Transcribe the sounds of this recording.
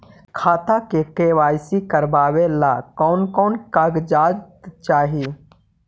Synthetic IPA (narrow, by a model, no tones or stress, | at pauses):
kʰaːt̪akeʈeːʋaːjsikəɾbaːwelaːkɔːnkɔːnkaɡd͡ʒaːd͡ʒt̪t͡ʃaːɦi